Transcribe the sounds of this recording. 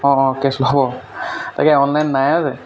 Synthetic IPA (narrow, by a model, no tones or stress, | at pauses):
ɔ̃ɔ̃keslɔbɔta̰kɛɔnlajnːajazɛ